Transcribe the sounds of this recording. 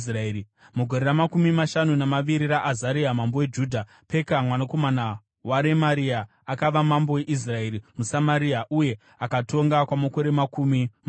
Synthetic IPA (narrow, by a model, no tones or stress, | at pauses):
sraei | muɡʱoɾe̞ɾamakumimaʃanunamaʋiɾiraʔːzaɾiamambowe̞d͡ʒuːdʱa | pe̞kamwanako̞mana | waɾe̞maɾia | akaʋamambowe̞ʔis̬rae̞ɾimusamaɾiaʔuje̞ | akato̞ŋɡakwamako̞ɾe̞makumima